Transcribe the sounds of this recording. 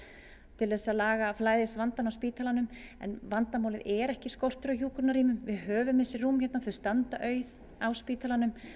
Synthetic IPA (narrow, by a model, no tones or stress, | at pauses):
t̪ʰɪlθɛsaðlaːɣaflaːjðɪsvant̪anawspiːt̪alanʏmɛ̰nvant̪amaːwlɪðɛɾɛhcɪskɔwr̥t̪ʏɾaçuːkʏɾnaɾiːmʏmvɪðhœːvʏmɪnsɪruːmçɛt̪naθʏst̪ant̪aʔœːɥð | awspiːt̪alanʏm